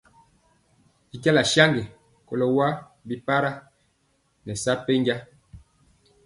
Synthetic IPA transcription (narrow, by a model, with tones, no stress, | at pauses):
i˨ta˦la˨ʃa˦ŋɡɛ˨ | ko˨lo˨wa˦ | bi˨pa˦ɾa˦ | nɛ˨sa˦pe˦ɲɡa˦